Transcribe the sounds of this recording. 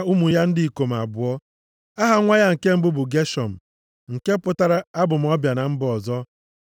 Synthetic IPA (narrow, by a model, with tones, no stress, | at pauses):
u˦mu˨ja˦n̩˦dɪ˦i˨ko˨m̩˨a̰˨bʊ˨ɔ˦ | a˦ɦa˨ŋʷa˦ja˦ŋ̩˨ke˦m̩˦bʊ˦bʊ˨ɡe˦ʃɔ˨m̩˨ | ŋ̩˨ke˦pʊ˦ta˦ɾa˦a˦bʊ˨m̩˨˦ɔ˦bja˨na˨m̩˦bɔ˨zɔ˦